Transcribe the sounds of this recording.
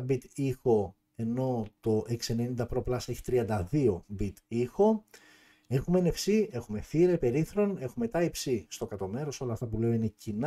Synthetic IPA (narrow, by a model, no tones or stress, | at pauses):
bit̪ixo̞ | e̞no̞t̪o̞ʔeksiene̞nind̪ɐpɾo̞plɐsɐeçi̥t̪ɾiɐnd̪ɐðio̞bit̪ixo̞ | e̞xumene̞fsie̞xume̞fiɾepe̞ɾiθɾo̞ne̞xumet̪ɐipsist̪o̞kɐt̪o̞me̞ɾo̞so̞lɐːft̪ɐpule̞o̞ine̞cin